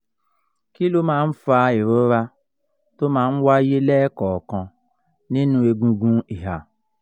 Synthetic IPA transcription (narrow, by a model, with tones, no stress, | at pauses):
ki˦lo˦mãː˦n̩˦fa˧e˨ɾo˨˦ɾa˧ | to˦mãː˦n̩˦wa˦je˦lɛː˦kɔ˨kɔ̃˧ | nĩ˦nũ˧e˧ɡũ˧ɡũ˦i˨ɦa˨